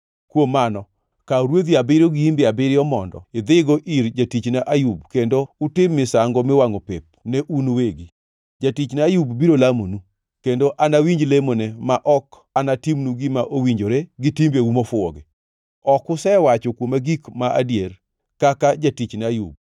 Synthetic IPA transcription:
kwomːanɔ | kaɾwod̪iabɪɾoɡɪimbɪabɪɾɪɔmɔndɔ̰ɪd̪ɪɡɔʔiɾd͡ʒatit͡ʃnaʔajubkendoʊtɪmːɪsaŋɡɔmɪwaŋopep̚nɛʔunoweɡi | d͡ʒatit͡ʃnajubbiɾolamonu | kendoʔanawiɲd͡ʒlemonemaʔɔk | anatimnuɡɪmaʔowiɲd͡ʒoɾeɡɪtimbeumɔfʊɔ̰ɡɛ | ɔkʊsɛwat͡ʃɔkwomaɡikmaʔa̰djer | kakad͡ʒatit͡ʃnajṵb̚

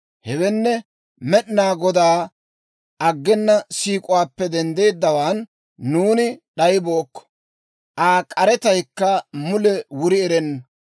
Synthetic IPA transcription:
hɛwɛnːɛ | mɛɗnaːɡɔd̪aː | ʔɐɡːɛnːɐsiːkʼʊwaːpːɛd̪ɛnd̪e̞ːd̪ːɐwaːnː | uːnɪɗɐjboːkːɔ̥ | ʔaːkʼɐɾɛt̪ɐjkːɐmʊlɛwʊɾɪɛɾɛnːɐ

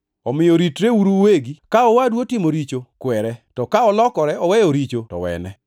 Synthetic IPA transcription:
ɔmɪjɔɾitɾeuɾuweɡikaɔwadwotɪmoɾit͡ʃokwɛɾɛtɔkaɔlɔkɔɾɛɔwɛjɔɾit͡ʃotɔ̰wɛ̰nɛ

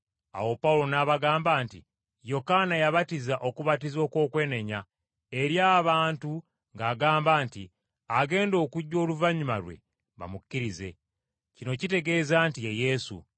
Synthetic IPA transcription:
a̰wo̞paulo̞naβaɡaːmbaːntḭ | jo̞kanajaβatizaʔo̞kuβatizo̞ːko̞ːkwe̞ːne̞ɲa | e̞ɾjaβaːntu | ŋɡaːɡaːmbaːnti | aɡe̞ːndo̞ːkuɟːo̞ːluvaɲuma̰ɾwe̞̰ | βa̰mukːiɾize̞̰ | cino̞cite̞ɡe̞ːzaːntijeje̞sṵ

